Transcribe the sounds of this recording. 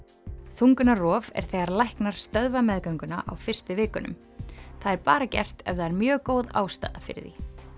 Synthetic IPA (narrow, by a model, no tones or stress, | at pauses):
θuŋkʏnarɔːvɛ̰ɾ̥θɛːɣaɾlajhknaɾ̥st̪œðvamɛðkœɥŋkʏna̰ʔawfɪr̥st̪ʏvɪːkʏnʏ̰m | θaðɛɾpaːɾacɛ̰r̥t̪ɛ̰vðaɛɾmjœːɣkoːwða̰ːwst̪a̰ːðafɪ̰ɾɪ̰ðḭ